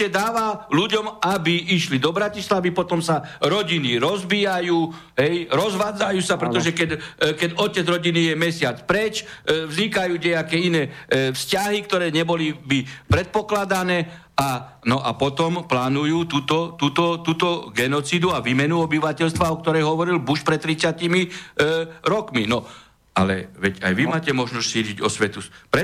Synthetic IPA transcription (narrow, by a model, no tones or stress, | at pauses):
ɛd̪aːʋaluɟɔmabiiʃlid̪ɔbɾacislaʋipɔt̪ɔmsaɾɔɟiniɾɔzbiːjajuː | ɦɛjɾɔzʋaːd͡zajuːsapɾɛt̪ɔʒɛkɛɟkɛɟɔcɛd͡zɾɔɟinijɛmɛsɪat͡spɾɛt͡ʃvzɲikajuːɲɛakɛːinɛːfscaɦikt̪ɔɾɛːɲɛbɔlibipɾɛt̪̚pɔklad̪anɛː | a | nɔʔa̰pɔt̪ɔmplaːnujuːt̪uːt̪ɔt̪uːt̪ɔt̪uːt̪ɔɡɛnɔt͡sid̪uaʋiːmɛnuɔbiʋacɛʎst̪ʋaɔk̚t̪ɔɾɛjɦɔʋɔɾilbuʃpɾɛt̪t̪ːɾitt͡sɪacimi | ɾɔkminɔ | a̰lɛ̰ʋɛɟa̰jʋimaːcɛmɔʒnɔsʲcsiːɟiɟɔsʋɛt̪upɾɛ